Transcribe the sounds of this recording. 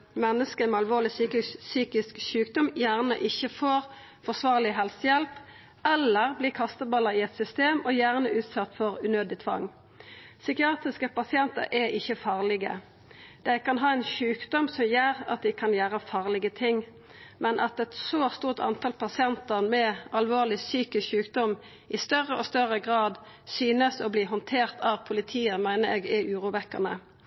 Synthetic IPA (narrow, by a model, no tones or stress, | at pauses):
mɛnːəskəmɛɑlʋoːʁlɪsyːkɪsyːkɪskʃʉːkd̪ɔmjæːʁnəʔɪçəfoːʁ | fɔʁsʋɑːʁlɪɦɛlsəjɛlp | ɛlːəʁbliːkʰɑst̪əbɑlːəʁɪɛt̪sʏst̪eːmɔjæːʁnəʔʉːt̪sɑt̪ːfɔʁʉnøːd̪ɪt̪ʰʋɑ̰ŋ | sʏkɪɑːt̪ʁɪskəpɑsɪɛnt̪ə̰ʁʔɛʔɪçːəfɑːʁlɪɡə̰ | d̪̥æɪkɑnɦɑːɛɪnʃʉːkd̪ɔmsɔmjæːʁɑ̰t̪̚d̪ɪkʰɑnjæːʁəfɑːʁlɪɡət̪ʰɪŋ | mɛnʔɑt̪ɛt̪soːst̪uːʁt̪ʰɑ̰nt̪ʰɑlpʰɑsɪɛnt̪ənmɛɑlʋoːʁlɪsyːkəçʉːkd̪ɔm | ʔɪst̪œʁəʔɔst̪œʁəɡʁɑːd̪ | syːnəsɔbliːɦɔnt̪ʰeːʁt̪ʰɑʋpʰʊlɪt̪ʰiːəmæɪnəɾeːɡɛʔʉːʁuːʋɛkːəʁnə̰